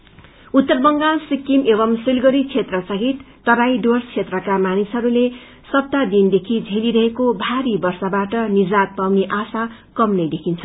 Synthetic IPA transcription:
ut̪ːʌrbʌŋɡasikːimebʌmsilɡʌɾit͡sʰet̪rʌsʌɦit̪ːʌɾajɖorst͡sʰet̪rʌkamanisɦʌɾule | sʌp̚t̪ad̪ind̪ekʰid͡zʱeliɾʌɦekobʱaɾibʌrsabaʈʌnid͡zat̪̚pawniʔasakʌmnʌjd̪ekʰint͡sʰʌ

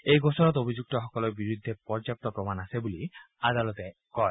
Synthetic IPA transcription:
ejɡɔsɔnɔt̪obʱid͡ʒuk̚t̪ɔxɔkɔlɔbiɾud̪ʱːepɔɹd͡ʒap̚t̪ɔpɾɔmanasebuli | ad̪alɔt̪ekɔj

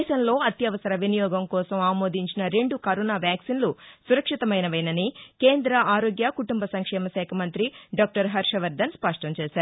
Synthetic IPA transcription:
jʃɐnlo̞ːɐt̪jɐʋɐsɐɾɐʋinijɔːɡɐmkɔːsɐmaːmoːd̪ʱiɲt͡ʃinɐɾe̞ɳɖukɐɾɔːnaːʋjaːksinlusuɾɐkʂit̪ɐmɐjnɐʋɐjnɐnike̞ːnd̪ɾɐʔaːɾoːɡjɐkuʈumbɐsɐŋkʂɛːmɐsɛːkʰɐmɐnt̪ɾiɖaːk̚ʈɐɾɦɐɾʂɐʋɐɾd̪ɐnspɐʂʈɐmt͡ʃeːsaːɾu

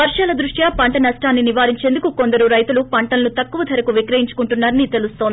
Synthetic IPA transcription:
ʋɐɾʂaːlɐd̪ɾuʂjaːpɐɳʈɐnɐʂʈaːnːiniʋaːɾiɲt͡ʃe̞ːnd̪ukuko̞nd̪ɐɾuɾɐjt̪ulupɐɳʈɐnlut̪ɐkːuʋɐt̪ʰɐɾɐkuʋikɾɐjiɲt͡ʃu̥kuɳʈunːaːɾɐnit̪e̞lustt̪oːi

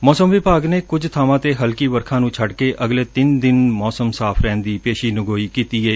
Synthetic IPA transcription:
mɔːsəmʋɪbaːɡneːkʊd͡ʒt̪ʰaːʋãːt̪eːɦəlkiːʋəɾkʰãːnũːt͡ʃʰəɖkeːʔʔəɡleːt̪ɪnd̪ɪnmɔːsəmsaːpʰɾɛ̃ːnd̪iːpeːʃiːnʊɡoːiːkiːt̪iːɛː

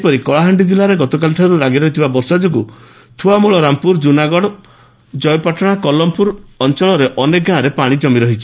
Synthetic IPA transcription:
pɔɾikɔɭaɦaɳɖid͡ʒilaɾeɡɔt̪ɔk̬alʈʰaɾuɾaɡiɾɔɦit̪ʰibabɔɾsad͡ʒɔku | t̪ʰuamuɭɔɾampuɾd͡ʒunaɡɔɽɔ | d͡ʒɔjɔpaʈʰɔɽ̃akɔlɔmpuɾɔnt͡ʃɔɭɔɾeʔɔnek̚ɡaɾepaɽ̃id͡ʒɔmiɾɔɦit͡ʃʰi̥

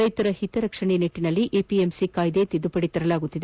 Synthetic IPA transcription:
ɾɐjt̪ɐɾɐhit̪ɐɾɐkʂɐɳeneʈːinɐlːiʔeːpiemsikaːjd̪e̞ːt̪id̪upɐɽit̪ɐɾɐlaːɡut̪ːid̪e

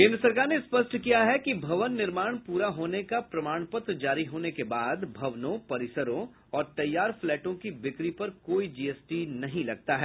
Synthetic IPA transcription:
kẽːnd̪ɾəsɐɾkaːɾnespɐsʈʰkijaɦɛkibʱɐʋənːɪɾmaːɽ̃puːɾaɦoːnekapɾɐmaːɽ̃pət̪ɾd͡ʒaːɾiɦoːnekebaːd̪bʱɐʋnõpɐɾɪsəɾõ | ɔːɾt̪ɐjːaːɾflɛːʈõkibɪkɾipɐɾkoːid͡ʒiːɛːsʈinɐɦĩlɐɡ̚t̪aɦɛː

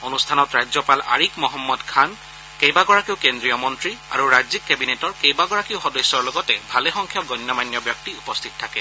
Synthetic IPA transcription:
onustʰanɔtɹajzɔpala̰ɹikmɔɦɔmːɔdkʰan | kejbaɡɔɹakiʊkendɹijɔmɔntɹia̰ɹuɹajzikːebinetɔɹkejbaɡɔɹakiʊxɔdɔsːɔɹlɔɡɔtɛbʱalɛxɔŋkʰjɔɡɔnːɔmanjɔbjɔk̚tiupɔst̪ʰit̚tʰːakɛ

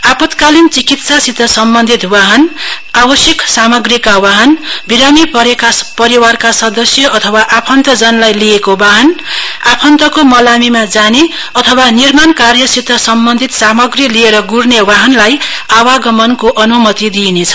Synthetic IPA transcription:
apʌt̪kalint͡sikit̪sasit̪ʌsʌmbʌnd̪ʱit̪waɦʌn | abʌsjʌksamʌɡrikawaɦʌnbiɾamipʌɾekapʌɾiwarkasʌd̪ʌsjʌʔʌt̪ʰʌwaʔapʰʌnt̪ʌd͡zʌnlajliekobaɦʌnapʰʌnt̪ʌkomʌlamimad͡zane | ʌt̪ʰʌwanirmankarjʌsit̪ʌsʌmbʌnd̪ʱit̪samʌɡrilieɾʌɡurnewaɦʌnlajawaɡʌmʌnkoʔʌnumʌt̪id̪inet͡sʰʌ̥

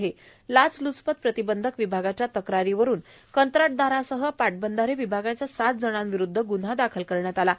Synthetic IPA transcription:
ɦe | lat͡slut͡spət̪̚pɾət̪ibənd̪ʱəkʋibʱaɡat͡ɕjat̪əkɾaɾiʋəɾuːn | kənt̪ɾaʈ̚d̪aɾasəɦəpaʈ̚bənd̪ʱaɾeʋibʱaɡat͡ɕjasat̪̚d͡zəɽ̃anʋiɾud̪ʱːəɡun̤ad̪akʰəlkəɾɳjat̪ala

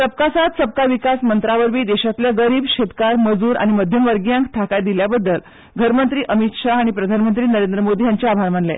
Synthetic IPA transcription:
səp̚kasat̪səp̚kaʋikasmənt̪ɾaʋəɾʋiːd̪eɕat̪ljaɡəɾiːbɕet̪kaɾməd͡zuːɾa̰ɽ̃iməd̪ʱjəmʋəɾɡjãŋkt̪ʰakajd̪iljabəd̪ːəl | ɡʱəɾmənt̪ɾiːʔəmit̪ʂaaɽ̃ipɾəd̪ʱanmənt̪ɾiːnəɾend̪ɾəmod̪ʱiːjaɲt͡ɕeabʱaɾm̤əɳlḛ

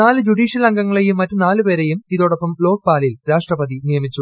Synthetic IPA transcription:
aːlɨd͡ʑuɽiːɕjɐlɐŋɡɐŋːɐɭejumːɐtːunaːlɨpe̞ːɾejumiðo̞ːɽopːɐmlo̞ːk̚paːlɐjilɾaːʂʈrɐpɐðinijɐmit͡ɕːu

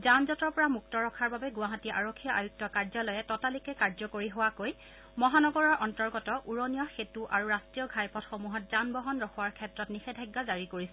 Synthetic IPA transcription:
zamzɔtɔɹpɔɹamuk̚tɔɹɔkʰaɹbabɛɡuwaɦatiʔaɹokʰːijɔʔajuk̚tɔkaɹzɔlɔjɛtɔtalikɛkaɹzɔkoɹiɦowakoj | mɔɦanɔɡɔɹɔɹʔɔntɔɹɡɔtɔʔuɹonijɔxetuʔaɹuɹastɹijɔɡʱajpɔtxomuɦɔt̚zanbɔɦɔnɹɔxʰɔwaɹkʰɛtɹɔtnixɛdʱajɡːazaɹikoɹisɛ

